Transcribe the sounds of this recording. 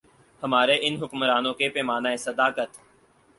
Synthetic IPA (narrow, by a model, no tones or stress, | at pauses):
həmaːɾeʔɪnɦʊkmɾaːnõkepeːmaːnaːesəd̪aːkət̪